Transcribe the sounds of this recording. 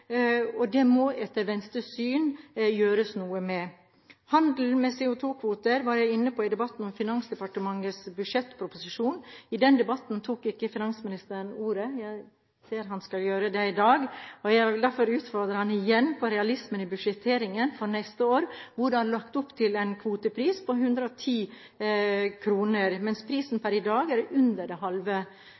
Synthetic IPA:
ɔd̪ɛmɔʔɛt̪ːəɾʋɛnst̪ɾəsyːnjøːɾəsnuːəmɛ | hɑnd̪l̩mɛsɛʊt̪ʰuːkʰʋuːt̪əɾʋɑɾjæɪɪnːəpɔɪd̪ɛbɑt̪ːn̩ɔmfɪnɑnsd̪ɛpɑʈəmɑŋːəsbʉdʂɛt̪ːpʰɾʊpʊsɪʂuːnɪd̪ɛnd̪ɛbɑt̪ːnt̪ʰuːkɪkːəfɪnɑnsəmɪnɪst̪əɾənuːɾəjæɪ | seːɾɦɑnskɑljøːɾəd̪ɛɪd̪ɑːɡɔjæd̪æɾfɔɾʉːt̪fɔɾd̪ɾəɾhɑnɪjɛnːpɔɾɛɑlɪsmənɪbʉʂɛt̪ʰeːɾɪŋənfɔɾnɛst̪əoːɾʋʊɖɑnlɑkt̪ʊpːt̪ʰɪlɛnkʰʋuːt̪əpʰɾiːspɔɦʉnd̪ɾəɔt̪ʰiː | kʰɾuːnəɾmɛnspʰɾiːsn̩pʰæɾɪd̪ɑːɡæɾʉnd̪əɖɛɦɑlʋə

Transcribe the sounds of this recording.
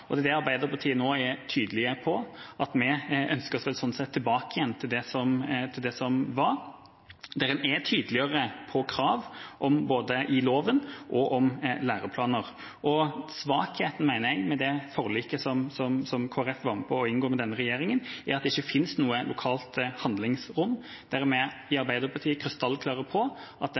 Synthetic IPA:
ɔd̪ɛd̪ɛɑɾbæɪd̪əɾpʰɑt̪ʰiːənoːæt̪ʰyːd̪əlɪəpʰɔɑt̪mɛʔœnskəɾsʋɛlsɔnsɛt̪ʰːɪlbɑːkəɪjɛnːt̪ʰɪld̪ɛsɔmt̪ʰɪld̪ɛsɔmʋɑɾ | d̪ɛɾənɛt̪ʰyːd̪əlɪəɾəpʰɔkʰɾɑːʋʔɔmboːd̪əʔɪloːʋənʔɔʔɔmlæːɾəpʰlɑːnəɾ | ʔɔsʋɑːkheːt̪n̩mæɪnəɾɛɡmɛd̪ɛfɔɾliːkəsɔmsɔmsɔmkʰoːæɾɛfʋɑɾməpʰɔːɪnɡoːɾmɛd̪ɛnːəɾɛjeːɾɪŋənæɾɑt̪d̪ɛɪçːəfɪnsnuːəlʔʊkʰɑːlt̪hɑnd̪lɪŋsɾʊnː | d̪̥æɾmɛɪɑɾbæɪd̪əɾpʰɑt̪ʰiːəkʰɾɪst̪ɑlːkʰlɑːʁəpʰɔʔɑt̪̚d̪

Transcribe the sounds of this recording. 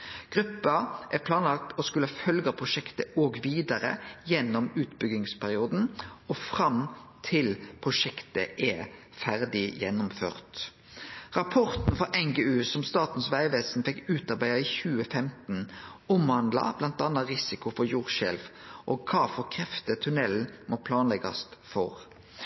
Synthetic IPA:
ɡ̥ʁʉpːɑʔæɾpʰlɑːnlɑk̚t̪ɔskʉləɑfœlɡɑpʰʁʊʃɛkt̪əoːɡʋiːd̪ɑʁə̰jɛnːɔmʉːt̪bʏɡɪŋspʰæʁɪuːd̪n̩ɔfʁɑmt̪ʰɪlpʰʁʊʂɛkt̪əʔɛ | fæʁd̪ɪjɛnːʊmfø̰ːʁt̪ | ʁɑpʰɔʁt̪n̩fɔʔɛŋɡeːʉːsɔmst̪ɑːt̪n̩sʋæɪʋeːsnfɛkːʉːt̪ɑʁbæɪɑiːçʉːəfɛmt̪n̩ | ɔmhɑnd̪lɑ̰b̥lɑnt̪ɑnːɑʁɪsɪkʊfɔɾjuːʁʃɛ̰lfʔɔɡ̚kʰɑːfɔkʰʁɛft̪ət̪ʰʉnɛl̩mʔoːpʰlɑːnlɛɡɑ̰st̪fɔʁ

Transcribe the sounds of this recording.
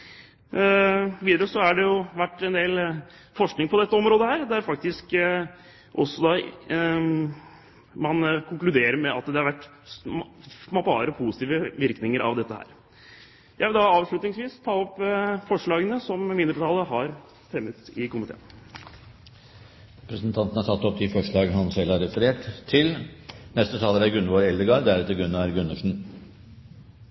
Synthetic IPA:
ʋiːd̪əɾəsɔæɖɛjʊʋæʈːɛnd̪eːl | fɔʂknɪŋpʰɔd̪ɛt̪ːəɔmɾoːd̪əhæːɾd̪æɾfɑkt̪ɪsk | ʔɔsːɔd̪ɑː | mɑnkʰʊŋklʉd̪eːɾəɾmɛʔɑt̪d̪ɛhɑɾʋæʈː | pʰɑ̰ːɾəpʰusɪt̪iːʋəʋɪɾknɪŋəɾɑ̰ʋd̪ɛt̪ːəhæ̰ːɾ | jæɪʋɪld̪ɑɑːʋʂɭʉt̪nɪŋsʋiːst̪ʰɑːɔpːfɔʂɭɑːɡənəsɔmʋɪnd̪əʈ̪ɑːləɦɑɾ | fɾɛmːət̪ɪkʊmɪt̪ʰḛːn | ɾɛpɾəsnt̪ʰɑnt̪n̩hæʈʰɑt̪ːɔpːd̪ɪfɔʂɭɑːɡəɦɑnsɛlhɑɾɛfəɾeːʈt̪ʰːɪlnɛst̪ət̪ʰɑːləɾæɾɡʉnʋoːɾɛld̪əɡɑɾd̪æɾɛt̪əɾɡʉnːɑɾɡʉnːəʂn̩

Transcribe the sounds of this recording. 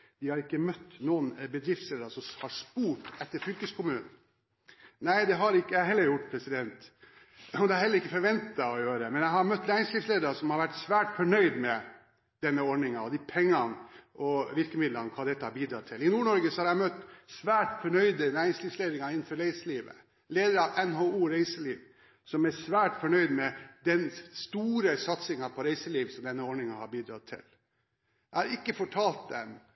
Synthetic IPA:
d̪̥ɪhɑɾɪkːəmœt̪ːnuːənbəd̪ɾɪft̪sleːd̪ɾɑsɔmhɑɾspuːʈɛt̪ːəɾfʏlkəskʰʊmʉːnn̩ | næɪd̪ɛɦɑɾɪkːəæhɛlːəɾjʊʈːpʰɾɛsɪd̪ɛnt̪ | ɔd̪ɛæɾhɛləɾɪkːəfɔɾʋɛnt̪ɑɔjøːɾəmɛnjæɪɦɑɾmœt̪ːnæːɾɪŋslɪftsleːd̪əɾɑsɔmhɑɾʋæʈsʋæːʈfɔɳœʏd̪mɛ | d̪̥ɛnːəɔɖɳɪŋɑɔd̪ipʰɛŋːɑnʔɔʋɪɾkəmɪd̪lɑnkʰɑːd̪ɛt̪ːəhɑbiːd̪ɾɑt̪ʰɪlɪnuːɳɔɾɡəsɔhɑɾæɪmœt̪ːsʋæːʈfɔɳœʏd̪ənæːɾɪŋsliːfsleːd̪ɾɪŋɑɪnːn̩fɔɾɾæɪsəliːʋə̰ | leːd̪əɾɑʋɛnɦoːuːɾæɪsəliːʋ | sɔmæsʋæːʈfɔɳœʏd̪mɛd̪ɛnst̪uːɾəsɑt̪sɪŋɑpʰɔɾæɪsəliːʋsɔmd̪ɛnːəɔɳɪŋɑhɑɾbiːd̪ɾɑ̰t̪ʰːɪ̰l | æhɑɾɪkːəfɔʈʰɑːlt̪̚d̪ɛ̰m

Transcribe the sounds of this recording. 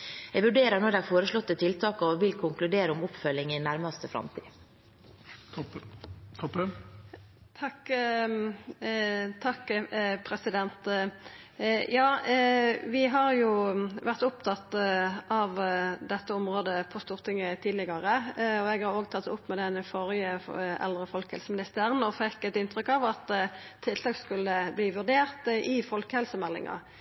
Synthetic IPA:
ɛɡʋʉɖeːɾənɔɾɖ̪ɛɑɾfoːɾəʂlɔt̪ːət̪ʰɪlt̪ʰɑːkəɔʋɪlkʰʊŋklʉd̪eːɾəʊmʊpfœlːɪŋɪnæɾmɑst̪əfɾɑ̰mt̪ʰḭː | t̪ʰɔp | t̪ʰɑk | t̪ʰɑkːpʰɾɛsɪd̪ɛnt̪ | jɑː | ʋɪɦɑʁjʊʋæʁt̪ʊpt̪ʰɑt̪ːɑʋd̪ɛt̪ːəʊmʁoːd̪əpʰɔst̪uːʁt̪ʰɪŋːət̪ʰiːd̪lɪɡɑʁəɔɛɡhɑʁoːɡt̪ʰɑt̪ːʊpːmɛd̪ɛnfɔɾjəɛ̰ld̪ʁəfɔlkəhɛlsəmɪnɪst̪əʁənɔfɛkːɛt̪ɪnt̪ʁʏkːɑʋɑt̪t̪ʰːɪlt̪ʰɑːkskʉlːəbliːʋʉʁd̪eːʁt̪ɪfɔlkəhɛlsəmɛlːɪ̰ŋɑ̰

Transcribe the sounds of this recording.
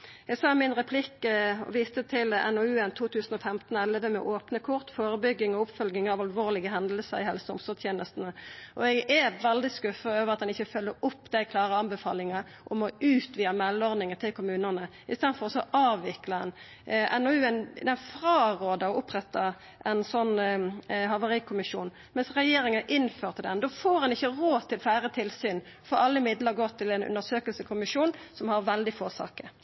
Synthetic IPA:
ɛɡsɑːmɪnʁɛpʰlɪkːɔ̰ʋiːst̪ət̪ʰɪlɛ̰nɔʉːɛnt̪ʰuːt̪ʰʉːsən̩ɔfɛmt̪n̩ɛləʋəmɛ̰ʔoːpnəkʰʊʁt̪foːɾəbʏɡːɪŋɔʊpfœlɡɪŋɑʋɑlʋoːʁlɪɡəɦɛnd̪l̩səɾɪhɛlsəʊ̰msɔːt̪ʰjeːnəst̪n̩əʔɔɛɡɛʋɛld̪ɪskʉfəøːʋəʁɑt̪d̪ɛnɪçːəfœlːəɾʊpːd̪æɪkʰlɑːʁəɑnbɛfɑ̰ːlɪŋɑ | ʔɔmɔʉːt̪ʋiːəmɛlːɔʁd̪nɪŋət̪ʰɪlkʰʊmʉːnənə | ɪst̪ɛnfɔʁɔsɔʔɑːʋːɪklɑɛn | ʔɛnɔʉɛnd̪ɛfʁɑːʁoːd̪əɔʔʊpːʁɛt̪ːɑ | ʔɛɪnsɔnː | ɦɑʋəʁɪkʰʊmɪʂuːn | mɛnsʁɛjeːɾɪŋənʔɪnføːʁt̪ʰɪld̪ɛnd̪oːfoːɾdɛnɪçːəɾoːt̪ʰɪlfæːɾət̪ʰɪlsyːn | fɔɾɑlːəɪmɪd̪ləʁɡoːt̪ʰɪlɛnʉ̰nd̪əsøːkəlsəkʰʊmɪʂuːnsɔmhɑɾʋɛld̪ɪfoːsɑ̰ːkə

